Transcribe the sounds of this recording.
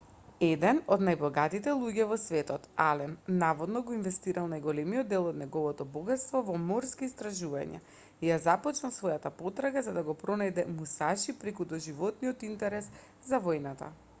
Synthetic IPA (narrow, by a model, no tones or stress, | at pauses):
ɛd̪ɛnɔd̪najbɔɡat̪it̪ɛlˠuɟɛvɔsvɛt̪ɔt̪alɛnnavɔd̪nɔɡɔinvɛst̪iɾalˠnajɡɔlɛmijɔd̪ːɛlˠɔd̪nɛɡɔvɔt̪ɔbɔɡat̪st̪vɔvɔmɔɾskiːst̪ɾaʒuva̰ɲɛ̰ | ijazapɔt͡ʃnalˠsvɔjat̪apɔt̪ɾaɡazad̪aɡɔpɾɔnajd̪ɛmusaʃipɾɛkud̪ɔʒivɔt̪nijɔt̪int̪ɛɾɛs | zavɔjnat̪a̰